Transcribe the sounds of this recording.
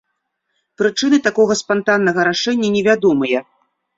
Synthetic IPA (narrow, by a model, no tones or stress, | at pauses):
pɾɨt͡ʂɨnɨt̪akɔɣɐspant̪anːɐɣɐɾaʂɛnʲːɐnʲɛvʲad̪ɔmɐjɐ